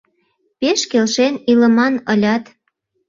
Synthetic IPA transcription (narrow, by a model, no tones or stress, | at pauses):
peʃkelʃenilə̆mɑnɤlʲɑt̪